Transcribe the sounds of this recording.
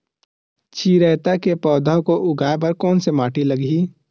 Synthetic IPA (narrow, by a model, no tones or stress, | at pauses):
t͡ʃʰiːɾəːt̪akepɔːd̪ʱəkoʔʊɡʱaːepɐɾkɔːnsemaːʈʰiləɡʱiː